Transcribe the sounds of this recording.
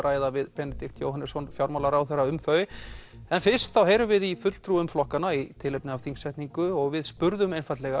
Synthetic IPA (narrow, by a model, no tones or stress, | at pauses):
ɾʔaːjðavɪðpɛnɛt̪ik̚t̪jo̰ːwhɦanɪsɔnfjawɾmawlaɾawθɛɾːaʏmfœːɥ | ɛnfɪr̥st̪θawɦeːjɾʏvɪðifʏt̪l̥t̪ʰɾuːʏmflɔhkanait̪ʰɪlepnʏawθiŋksɛjht̪niŋkʏɔɣvɪðspʏɾðʏmejnfajt̪lɛɣa